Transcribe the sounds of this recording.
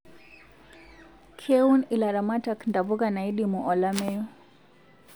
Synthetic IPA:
kʰɛunilaɾamatakndavukanaiɗimuʔɔlamɛju

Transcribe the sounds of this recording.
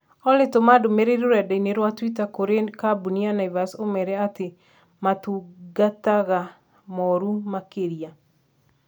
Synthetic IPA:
ɔlɪtomadomeɾeɾoɾɛdɛineɾwatwitakoɾekabunianaivasomɛɾɛatɪ | matuɡataɣa | mɔɾumakeɾia

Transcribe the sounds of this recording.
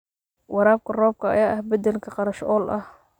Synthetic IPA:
wɑɾaːb̚kʰɐrɔːb̚kʰɐɐ̰jaːʔɐhbɐd̪ɛlkʰɐqɑɾɐʃɔːlʔɐh

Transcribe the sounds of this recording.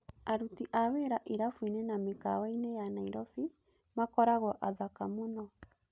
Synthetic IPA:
aɾutiʔaweːɾaʔiɾafwinenamekawainejanaiɾɔfi | makɔɾaɣwɔʔaðakamonɔ

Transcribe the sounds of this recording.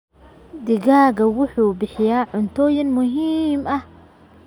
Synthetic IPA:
d̪ɪɣaːɣɐwʊħuːbɪħɪjaːʕʊnt̪ʰɔːjɪnmʊɦiːmɐh

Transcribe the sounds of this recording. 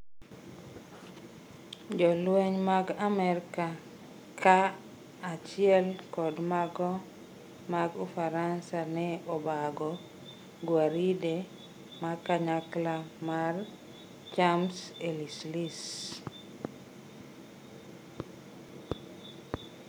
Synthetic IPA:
d͡ʒɔlweɲmaɡamɛɾka | kʰaː | t͡ʃɪɛlkɔdmaɡɔ | maɡufaɾansanɛɔbaɡɔ | ɡwaɾide | makaɲaklamar | t͡ʃamselislis

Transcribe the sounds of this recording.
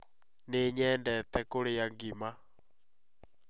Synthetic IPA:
neɲɛːndɛtɛkoɾejaŋɡima

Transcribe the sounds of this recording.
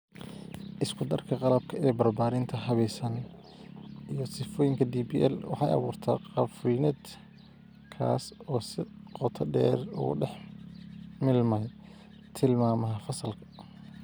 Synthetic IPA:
ʔɪskʰʊd̪ɐrkʰɐqɑlɐb̚kʰɐɛːbɐrbaːɾɪnt̪ʰɐɦɐβɛjsɐn | ijɞsɪfɔːjɪŋkʰɐd̪iːbiːʔɛlwɑ̰ħɑ̰jɐ̰βuːrt̪ʰɐ̰ːqɑfwiːnɛd̪ | kʰa̰ːsɔːsɪqɔt̪ʰɐɖɛ̰ːrʊ̰ɖɛħ | mɪlmɛj | t̪ʰɪlmaːmɐɦɐfɐsɐlkʰɐ̥

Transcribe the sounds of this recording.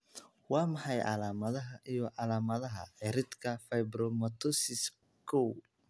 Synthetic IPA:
wɑːmɑħɑjʔɑ̰laːmɐðɐɦɐʔijɔʕɑlaːmɐðɐɦɐ̰ɛɾɪd̪kʰɐfɐjbɾɔmɐt̪ʰɔsɪs | kʰɔw

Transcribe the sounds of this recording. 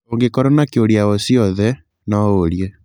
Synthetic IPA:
oŋɡekɔɾɔnakeoɾiaosiɔðɛ | nɔoɾiɛ

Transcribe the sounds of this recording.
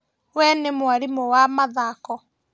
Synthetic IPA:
wɛnemwaɾimowamaðakɔ

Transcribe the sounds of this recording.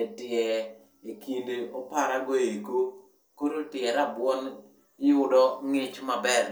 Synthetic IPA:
etɪɛ | ikʰindeopaɾaɡoeɡo | koɾotɪɛɾabwɔn | ɪjʊdɔŋɪt͡ʃmabɛr

